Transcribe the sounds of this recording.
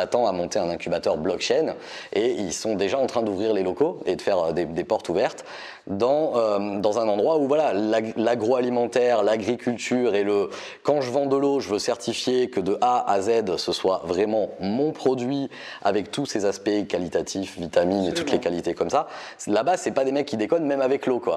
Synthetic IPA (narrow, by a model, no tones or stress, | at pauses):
at̪ɑ̃amɔ̃t̪eɛ̃nɛ̃kʲybat̪œʁblɔkt͡ʃɛn | eilsɔ̃d̪eʒaɑ̃t̪χɛ̃d̪uvʁiʁlelɔkoed̪əfɛʁød̪ed̪epɔʁt̪uvɛʁt̪ | d̪ɑ̃ømd̪ɑ̃zɛ̃nɑ̃d̪ʁwauvwalalalaɡʁoalimɑ̃t̪ɛʁlaɡʁikʲylt̪yʁelə | kɑ̃ʒəvɑ̃d̪əloʒəvøsɛʁt̪ʰifjekəd̪əʔaʔazɛd̪səswavʁɛmɑ̃mɔ̃pχɔd̪ɥi | a̰vɛk̚t̪usezaspɛkalit̪at̪ʰifvit̪aminet̪ut̪lekalit̪ekɔmsa | labasɛpad̪emɛkːid̪ekɔnmɛmavɛklokwa̰